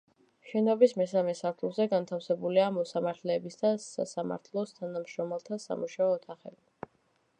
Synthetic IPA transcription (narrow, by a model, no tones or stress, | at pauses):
ʃɛnɔbismɛsamɛsaɾt̪ʰulˠzɛɡant̪ʰafsɛbuliamɔsamaɾt̪ʰlɛːbisd̪asa̰sama̰ɾt̪ʰlˠɔst̪ʰanamʃɾɔmɛlˠt̪ʰasa̰muʃaɔːt̪ʰaχɛ̰bi